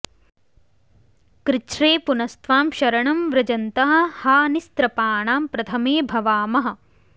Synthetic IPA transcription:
kɾɪt͡ʃɾeːpunɐst̪ʋaːmʃɐɾɐɳɐmʋɾɐd͡ʒɐnt̪ɐɦɐ̆haːnist̪ɾɐpaːɳaːmpɾɐt̪ʰɐmeːbʱɐʋaːmɐɦɐ̆

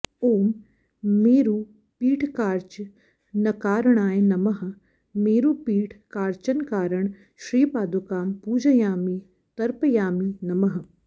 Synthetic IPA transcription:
oːm | meːɾuː | piːʈʰkaːɾt͡ʃ | nɐkaːɾəɳ̃aːenɐmɐɦ | meːɾuːpiːʈʰkaːɾt͡ʃɐnkaːɾəɳ | ʃɾiːpaːd̪ukaːmpuːd͡ʒɐjaːmi | t̪ɐɾpəjaːminɐməɦ

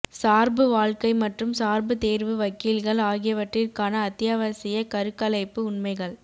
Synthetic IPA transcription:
saːɾbɯʋaːɭkɐɪmɐʈrɯmsaːɾbɯt̪eːɾʋɯʋɐkːiːlɣɐɭaːɣɪjɐʋɐʈrɪrkaːnɐːt̪ːɪjaːʋɐsɪjɐkɐɾɯkːɐlɐɪpːɯʊɳmɐɪɣɐɭ

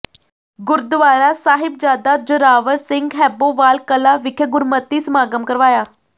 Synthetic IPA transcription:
ɡʊɾd̪ʋaːɾasaːɦɪb̚d͡ʒaːd̪ad͡ʒʊɾaːʋəɾsɪ̃ŋɡɦɛːboʋaːlkəlaʋɪkʰəɡʊɾmət̪ːismaːɡəmkəɾʋaːjaː

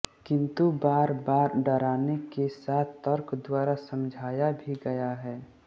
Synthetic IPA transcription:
kɪ̃nt̪ubaːɾbaːɾɖəɾaːnekesaːt̪ʰt̪əɾkd̪waːɾasə̃md͡ʒʱaːjabʱiɡɐjaɦɛː

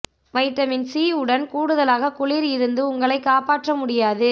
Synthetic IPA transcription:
ʋɐɪʈːɐmɪnsiːɯɽɐnkuːɽɯðɐlaːɣɐkʊɭiːɾɪɾɯnd̪ɯʊŋɡɐɭɐɪkːaːpaːʈrɐmʊɽɪjaːðɯ

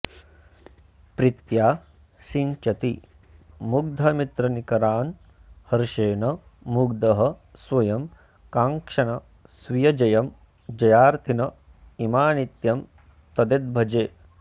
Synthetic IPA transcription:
pɾit̪jaː | siɲt͡ʃɐt̪i | muɡd̪ʱɐmit̪ɾɐnikɐɾaːn | hɐɾʃeːnɐ | muɡd̪ɐɦɐ̆sʋɐjɐm | kaːŋkʂɐnɐ | sʋijɐd͡ʒɐjɐm | d͡ʒɐjaːɾt̪ʰinɐ | imaːnit̪jɐm | t̪ɐd̪ed̪̚bʱɐd͡ʒeː

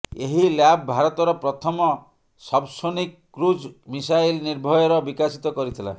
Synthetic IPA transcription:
eɦiljabbʱaɾɔt̪ɔɾɔpɾɔt̪ʰɔmɔ | sɔbsonikːɾud͡ʒmisajlniɾbʱɔjɔɾɔbikasit̪ɔkɔɾit̪ʰila̰

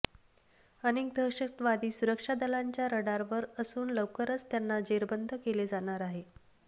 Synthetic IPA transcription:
ənik̚d̪ʱəɕək̚t̪ʋad̪iːsuɾəkʂad̪əlaɲt͡ɕjaɾəɽaɾʋəɾəsuːnləwkəɾət͡st̪janːad͡ʑeɾbənd̪ʱəkeled͡zaɽ̃aɾaɦe

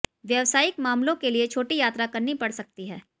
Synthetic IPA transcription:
ʋjɐʋsaːjɪkmaːmlõkeliet͡ʃʰoːʈijaːt̪ɾakɐɾnipɐɽsɐk̚t̪iɦɛː

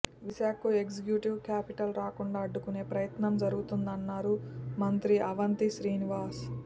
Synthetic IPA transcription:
ʋiʃaːkuekd͡ʒikjuːʈiʋkaːpiʈɐlɾaːkuɳɖaːɐɖːukune̞ːpɾɐjɐt̪nɐmd͡ʒɐɾuɡut̪und̪ɐnːaːɾumɐnt̪ɾiʔɐʋɐnt̪iʃɾiːniʋaːs

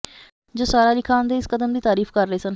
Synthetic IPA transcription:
d͡ʒoːsaːɾaːlɪkʰaːʊnd̪eːɪskəd̪əmd̪iːt̪aːɾiːfʰkəɾːəeːsən

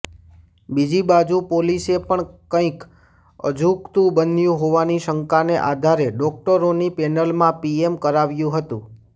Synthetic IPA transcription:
bid͡ʒibad͡ʒũpolisepəɳkə̃ĩk | ə̰d͡ʒʱukt̪ũbənjũɦoʋaniʃəŋkaneʔad̪ʱaɾeɖɔk̚ʈəɾonipɛnəlmãpiemkəɾaʋjũɦət̪ũ

